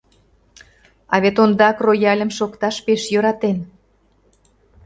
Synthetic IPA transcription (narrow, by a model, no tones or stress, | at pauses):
ɑβet̪ond̪ɑkrojɑlʲə̆mʃokt̪ɑʃpeʃjø̆ɾɑt̪en